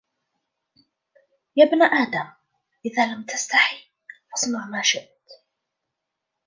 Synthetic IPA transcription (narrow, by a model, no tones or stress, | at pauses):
jaːbnaʔaːd̪am | ʔɪðaːlamt̪ast̪aħi | fɑsˤnʊʕmaːʃɪʔt̪